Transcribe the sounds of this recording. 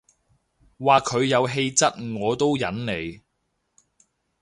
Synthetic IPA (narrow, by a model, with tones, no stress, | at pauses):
waː˨kʰɵ˨˧ɥjɐ˨˧wɦe˧jt͡sɐ˥t̚ŋɔː˨˧t̪o˥wjɐ˨˥nne˨˧j